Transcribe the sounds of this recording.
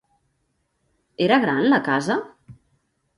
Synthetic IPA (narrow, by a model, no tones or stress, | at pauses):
eɾəɣ̞ɾanləkazə